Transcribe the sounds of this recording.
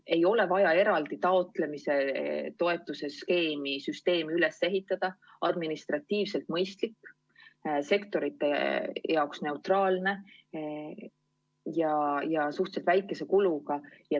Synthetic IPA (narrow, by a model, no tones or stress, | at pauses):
e̞jo̞le̞vɑjɑe̞ɾɑld̪it̪ɑo̞t̪ˑle̞mise̞t̪o̞e̞t̪ːˑuse̞ske̞ːmisyst̪e̞ːmiyle̞sːe̞ɦit̪ːˑɑd̪̥ɑ | ɑd̪minist̪rɑt̪ːˑiːvse̞lt̪mɤjst̪likː | se̞kt̪o̞ɾit̪ːˑe̞jɑoksne̞ut̪rɑːlne̞ | jɑjɑsuht̪selt̪væjkːˑe̞se̞kuluɡ̥ɑjɑ